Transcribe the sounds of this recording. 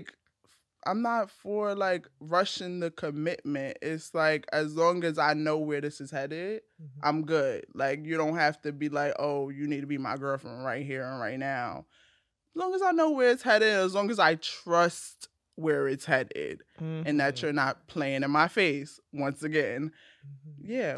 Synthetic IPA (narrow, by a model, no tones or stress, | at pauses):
k | ʔã̰ɪ̃mnətfə˞laɪkɹʌʃɪ̃ŋðɨkʰɨmɪt̚mɨ̃ntɪtslaɪkʰɨzlɔ̃ŋɨzaɪnoʊwə˞ðɪsɨz̥hɛɾɪd | ʔã̰ɪ̃mɡʊd̥laɪkjɨɾõʊ̃nt̚hæftɨbilaɪkoʊjɨnid̚tʰɨbimaɪɡɜ˞lˠfɹə̃nɹaɪt̚ɦiɹɨ̃nɹaɪtⁿnaʊ | zlɔ̃ŋəzaɪnoʊwə˞ɨtshɛɾɪɨzlɔ̃ŋɨzaɪtʰɹ̥ʌst̚ | wə˞ɪtshɨɾɪ̰ɾ̥ɨ̃nðɨtsə˞nət̚pʰl̥eɪɪ̃ŋɨ̃nmaɪfeɪs | wʌ̃nsɨɡɛ̃n | jæ